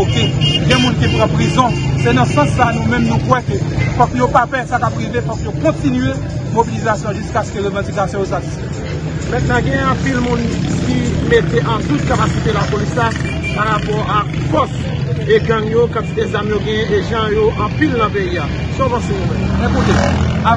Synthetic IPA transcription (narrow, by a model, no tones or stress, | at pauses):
okeɡɛ̃mũnkipʁãpʁizɔ̃sɛnɐ̃sɐ̃sːanũmɛ̃mnũkwɛkøfɔ̃kjopafɛsakapʁivefɔ̃kjokɔ̃tinye | mobilizasjɔ̃ʒyskaskøʁøvɑ̃d͡zikasjɔ̃josasisfɛ | mɛ̃k̚naɡɛ̃jɛ̃ɑ̃pilmũnkimet̪eʔɑ̃t̪ut̪̚kapasit̪elapolisla | paʁapɔʁakfɔs | eɡãŋjokaezamjoɡɛ̃jɛ̃ʔeʒɑ̃joʔɑ̃pilnɐ̃peia | sɔ̃pãsẽɛɛ̃kud̪ea